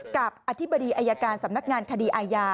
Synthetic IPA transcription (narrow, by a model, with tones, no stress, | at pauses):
ka˨˩p̚ʔaː˧t̪ʰi˦˥bːa˧diː˧ʔaː˧ja˧kaː˧nsa˨˩˦mna˦˥k̚ŋaː˧nkʰa˧diː˧ʔaː˧jaː˧